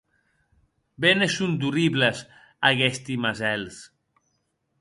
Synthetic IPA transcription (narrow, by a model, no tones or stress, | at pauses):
benesund̪uriβləz | aɣɛst̪imazɛls